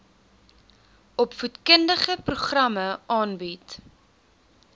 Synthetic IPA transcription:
ɔpfutkəndəχəpruχrɐməʔɑːnbit

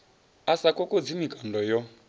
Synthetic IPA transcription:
asakɔkod͡zimikʼandɔjɔ

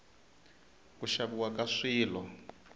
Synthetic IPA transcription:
kuʃaβuwakaʂiːlɔ

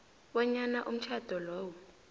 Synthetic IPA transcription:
ɓɔɲanaʔum̩t͡ʃʰad̥ʱɔlɔːwɔ

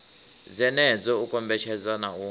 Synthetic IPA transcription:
d͡zɛnɛd͡zɔukʼɔmbɛt͡ʃʰɛd͡zanau

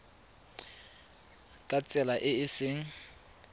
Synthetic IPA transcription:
kʼat͡sʼɛlaʔɪɪsɪŋ̩

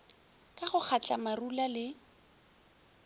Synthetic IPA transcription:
kʼaχʊk͡xat͡ɬʼamarulalɪ

